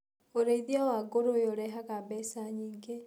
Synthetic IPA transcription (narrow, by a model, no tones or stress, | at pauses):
oɾeiðjawaɡoɾojoɾɛɦakabɛsaɲiːŋɡe